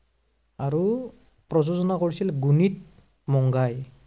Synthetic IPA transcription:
aɹu | pɹɔzozɔnakoɹisilɡunit̚ | mɔŋɡaj

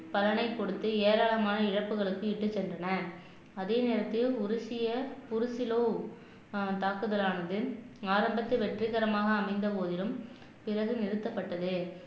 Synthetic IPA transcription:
pɐlɐnɐɪkːɔɽɯt̪ːɯeːɾaːɭɐmaːnɐɪɻɐpːɯɣɐɭɯkːɯɪʈːɯt͡ʃːɛndrɐnɐ | ɐðeːneːɾɐt̪ːɪjʊɾɪsɪjɐpʊɾʊsɪloː | t̪aːkɯðɐlaːnɐðɯaːɾɐmbɐt̪ːɯʋɛʈrɪɣɐɾɐmaːɣɐːmɐɪnd̪ɐpoːðɪlɯm | pɪrɐɣɯnɪɾɯt̪ːɐpːɐʈːɐðɯ

